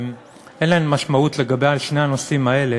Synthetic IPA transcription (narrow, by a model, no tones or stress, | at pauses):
m | ʔenlaemːaʃmautle̞ɡabejalʃne̞jhano̞simae̞le